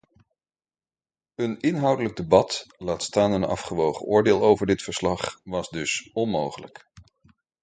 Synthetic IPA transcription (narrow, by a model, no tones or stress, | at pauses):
ənɪnɦɑwdələɡ̚dəbɑtlaːtstaːnənɑ̰fχəʋowχə̰ʔʊːɹdɪːlˠowvəɹdɪtfəɹslɑχʋɑzdɵsɔnmowχələ̰k